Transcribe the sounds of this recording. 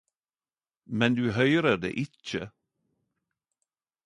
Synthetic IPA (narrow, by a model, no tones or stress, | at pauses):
mɛnd̪ʉɦœjɾad̪ḛʔɪt͡ʃːə̰